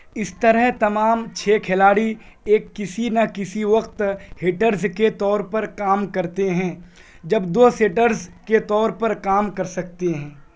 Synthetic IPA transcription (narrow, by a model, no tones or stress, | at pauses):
ɪst̪ɐɾəɦt̪ɐmaːmt͡ʃʰeːkʰelaːɽi | eːkːɪsinɐkɪsiʋɐqt̪heːʈəɾzket̪ɔːɾpɐɾkaːmkɐɾt̪eɦɛ̃ː | d͡ʒɐbd̪oːseːʈəɾzket̪ɔːɾpɐɾkaːmkɐɾsɐk̚t̪eɦɛ̃ː